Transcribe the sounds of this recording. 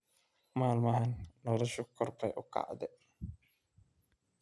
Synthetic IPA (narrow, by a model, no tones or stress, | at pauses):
maːlmɐɦɐnːɔːlɔʃɔkʰɔrpʰɛjʔʊkʰa̰ʕd̪ɛ